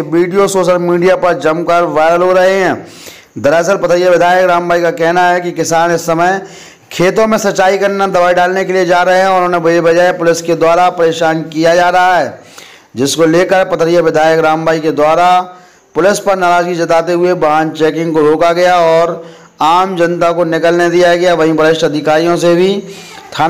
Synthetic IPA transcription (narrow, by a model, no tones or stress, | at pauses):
ʋiːɖijosoːʃəlmiːɖijapɐɾd͡ʒɐmkəɾʋaːɾəlɦoɾɐɦeɦɛ̃ː | d̪ɐɾɛːs̬əlpɐt̪ʰəɾijaʋɪd̪ʱaːjəkɾaːmbaːikakɛɦnaɦɛkikɪsaːnɪsːɐməj | kʰeːt̪õmẽsɐtːt͡ʃaːikɐɾnad̪ɐbaːiɖaːlnekelied͡ʒaːɾɐɦeɦɛ̃ɔːʊɾõnẽbɐbɐd͡ʒaːepʊlɪsked̪waːɾapɐɾeːʃaːnkijad͡ʒaːɾɐɦaɦɛː | d͡ʒɪskoleːkəɾpɐt̪ʰəɾijaʋɪd̪ʱaːjəkɾaːmbaːiked̪waːɾa | pʊlɪspɐɾnaɾaːd͡ʒɡid͡ʒɐt̪aːt̪eɦʊebaːnt͡ʃɛːkɪ̃ŋɡkoɾoːkaɡɐjaɔːɾ | aːmd͡ʒɐ̃nt̪akonɪkəlned̪ijaɡɐjaʋɐɦĩpəɪʃʈɐd̪ʱɪkaːɾijõsebʱi | t̪ʰaː